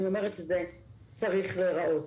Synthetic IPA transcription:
nio̞meʁet̪ʃeze | t͡saʁiχleʁaʔo̞t

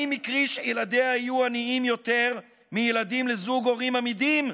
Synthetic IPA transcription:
imikʁiʃejelad̪eaajuaniimjo̞t̪e̞ʁ | mijelad̪imlezuɡo̞ʁimamid̪im

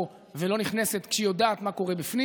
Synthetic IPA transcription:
velo̞niχneset̪kʃeijo̞d̪aːt̪mako̞ʁebifni

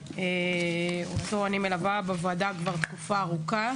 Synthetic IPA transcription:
e | osoanimelavabavadakvaʁt̪kufaːʁuka

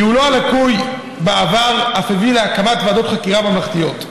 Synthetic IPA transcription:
iuloalakuj | beavaʁafevileakamat̪vaːdo̞t̪χakiʁabamlaχt̪ijo̞t

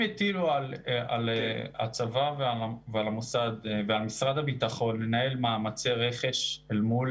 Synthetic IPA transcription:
et̪iluala̰lea̰t͡savavealavealamusad̪vealmisʁad̪habit̪aχo̞nːenae̞lmaːmat͡seʁe̞χe̞ʃelmul

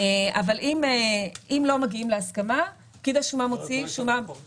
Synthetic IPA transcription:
ea̰valʔimeimlo̞maɡiimleaskama | kid̪aʃumamot͡siʃuma

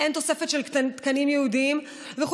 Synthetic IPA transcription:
ʔent̪o̞sefet̪ʃelk̪t̪kɐnimjeud̪im | vex

